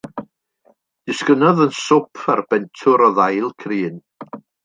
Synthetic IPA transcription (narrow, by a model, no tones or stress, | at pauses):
d̥ɪskənɔðənsʊpʰarb̥ɛntʰʊɾɔðajlˠkʰriːn